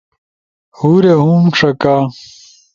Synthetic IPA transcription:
huɾeɦuːmʂɐkaː

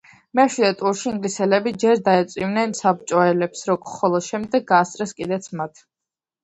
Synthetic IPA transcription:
mɛʃwid̪ɛt̪ʼuɾʃiiŋɡlisɛlɛbid͡ʒɛɾd̪aɛt̪sʼwivnɛnsab̚t͡ʃʼɔɛlɛpsɾɔkχɔlˠɔd̪̥ʃɛmd̪ɛɡ̚ɡaːst̪ʼɾɛskʼid̪ɛt̪sʰmat̪ʰ

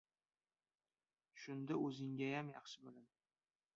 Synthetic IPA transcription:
ʃʊnd̪aɵzɪŋɡʲajamjɑχʃɪbʊlɪm

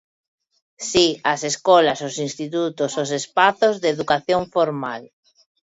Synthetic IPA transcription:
siaseskolasosinst̪it̪ut̪osos̬espaθozðeðukaθjõɱfoɾmal

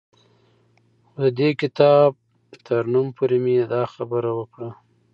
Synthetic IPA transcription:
dəd̪ekɪt̪ɑb̚ | t̪ʰəɾnumpʰoɾemejed̪ɑxabəɾawəkɽa

